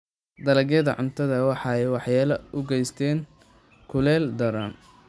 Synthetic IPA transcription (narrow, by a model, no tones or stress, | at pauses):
d̪ɐlɐɡɛðɐʕʊnt̪ʰɐðɐwɑħɑɛjwɑħjaːlɐʔʊɡɛjst̪ʰɛːŋ | kʰʊlɛːld̪ɐɾɐn